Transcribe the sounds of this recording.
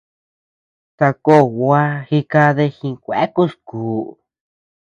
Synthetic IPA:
t̪a˧ko˦˨wa˦xi˧ka˧ðe˧xĩ˧kʷḛ˨˦ku˦skuː˨

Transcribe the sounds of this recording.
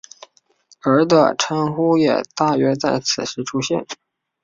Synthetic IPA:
ə˞˧˥d̪ə̰˧ʈ͡ʂʰə˥ŋxu˥jɛ̰˨˩t̪a˥˩ɥɛ˧˥t͡sa˥˩ɪt͡sʰɹ̩˨˩ʂɻ̩˧˥ʈ͡ʂʰu˥ɕjɛ˥˩n

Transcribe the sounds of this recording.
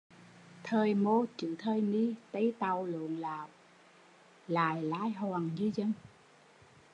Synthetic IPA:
t̪ʰəː˨˩jmo˧t͡ɕɨ̰˧˨t̪ʰəː˧jni˧t̪ə˧˦jt̪a˨˩wlṵ˧˨əŋlaː˨˩w | laː˨˩jlaː˧˥jɦɔː˨˩ŋɲɨ˧˦zə˧ŋ

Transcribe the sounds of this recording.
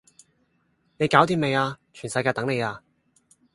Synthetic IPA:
ne˨˧jkaː˨˥wt̪iː˧me˨˧jaː˧t͡ʃʰyː˨˩nsɐ˧jkaː˧jt̪ɐ˨˥ŋne˨˧jaː˧

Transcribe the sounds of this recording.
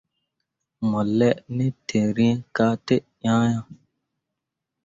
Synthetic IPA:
mɔ˨lɛ˦ʔnɛ˦tʰe˨ɾĩ˦ka˦te˦ʔjãː˦jã˦˨

